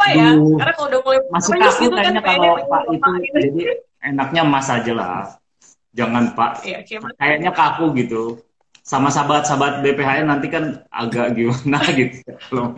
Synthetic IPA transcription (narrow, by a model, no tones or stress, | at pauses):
dudamasɪkakukajaɲakalopaʔɡit̪ud͡ʒadi | enak̚ɲamasad͡ʒala̰ | d͡ʒaŋanpa̰ʔkajaʔɲakakuɡit̪u | samasabat̪̚sabat̪̚bepeɦaɛnant̪ikana̰ɡaʔɡimanaɡit̪u̥jakalo